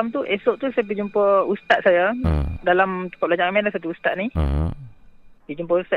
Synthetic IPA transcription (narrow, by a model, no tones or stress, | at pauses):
amt̪uʔesoʔt̪usajap̬əd͡ʒumpəust̪at̪̚sajadalamt̪u̥kalaɲaʔkamɛnlasat̪̬uust̪aʔ̪̚ni | did͡ʒumpəust̪a